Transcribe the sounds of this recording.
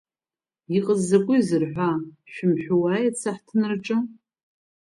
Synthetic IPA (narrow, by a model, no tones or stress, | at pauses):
iqʼəzːakʷʼʊizɨrħʷaʃᶣʊmħʷᶣuwajat͡sʰaħtʰnrʈ͡ʂʼɨ